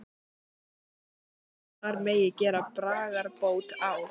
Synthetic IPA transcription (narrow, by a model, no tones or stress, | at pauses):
θaɾmeːjɪcɛːɾapɾaːɣaɾpoːwt̪aw